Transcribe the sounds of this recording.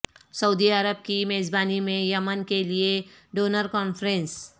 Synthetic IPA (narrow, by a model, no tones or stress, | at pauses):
səud̪iəɾəb̚kimeːzbaːnimẽjəmənkelieɖoːnəɾkɔːnfɾẽns